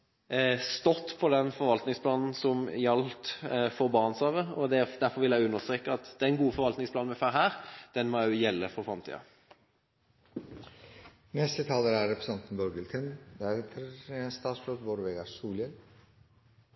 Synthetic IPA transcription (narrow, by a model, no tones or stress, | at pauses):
st̪ɔt̪ːpʰɔd̪ɛnfɔɾʋɑlt̪nɪŋspʰlɑːnn̩sɔmjɑlt̪fɔɾbɑːnsɑːʋəɔd̪ɛd̪æɾfɔɾʋɪljæɪʉnːəʁst̪ʁeːkːəɑt̪d̪ɛnɡuːəfɔɾʋɑlt̪nɪŋsplɑːnmæfæɾɦæːɾd̪̥ɛnmɔʊjɛlːəfɔfʁɑmt̪ʰḭːɑ̰ | nɛst̪ət̪ʰɑːləɾæɾɛpɾəsɑnt̪n̩bɔɾɡəlt̪ʰənd̪æɾɛt̪ʰəɾst̪ɑːt̪sfløt̪bɔɾʋeːɡɑɾsuːləl